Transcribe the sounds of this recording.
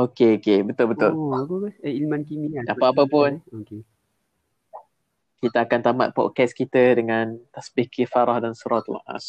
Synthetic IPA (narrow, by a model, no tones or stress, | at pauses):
okeokebət̪ʊlbət̪ʊlkoailmankimidapaapəpʊnoke | kit̪aːkant̪ama̰t̪̚pɔ̰ʔ̚kɛskit̪ədəŋãnt̪asbikifaɾahdansəɾat̪la̰ʔa̰s